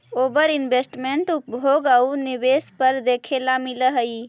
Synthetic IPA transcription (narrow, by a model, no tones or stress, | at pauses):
obəɾinbesʈmeɳʈupbʱoɡaunibespəɾd̪ekʰelamiləɦəj